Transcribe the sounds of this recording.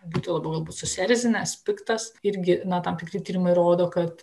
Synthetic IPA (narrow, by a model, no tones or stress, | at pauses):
buːt̪olˠɐbɐɪɡɐlˠbuːt̪sʊsʲɛɾʲzʲɪnʲɛspʲɪkt̪ɐsɪɾʲɡʲɪnɐt̪ɐmt̪ʲɪkrʲɪt̪ʲiːɾʲɪmɐɪɾoːd̪oːkɐt̪